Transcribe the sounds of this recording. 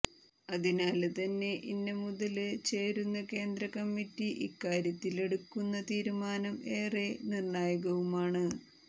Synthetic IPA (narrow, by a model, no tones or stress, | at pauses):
ɐðinaːlt̪ɐnːe̞ʔinːemuðɐlɨt͡ɕe̞ːɾunːɐke̞ːnd̪rɐkɐmːitːiʔikːaːɾjɐt̪ːile̞ɽukːunːɐt̪iːɾumaːnɐme̞ːrenirɳaːjɐɣɐʋumaːɳɨ